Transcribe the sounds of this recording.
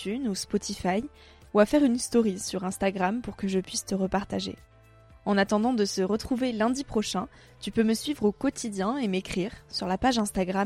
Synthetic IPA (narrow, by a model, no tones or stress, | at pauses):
ynuspɔt̪ʰifaj | uafɛʁynst̪ɔʁisyʁɛ̃st̪aɡʁampuʁkəʒəpɥist̪əʁəpaʁt̪aʒḛ | ɑ̃nat̪ɑ̃d̪ɑ̃d̪əsəʁət̪χuvelɛ̃d̪ipχɔʃɛ̃ | t̪ypøməsɥivʁokɔt̪ʰid̪jɛ̃emekχiʁsyʁlapaʒɛ̃st̪aɡʁam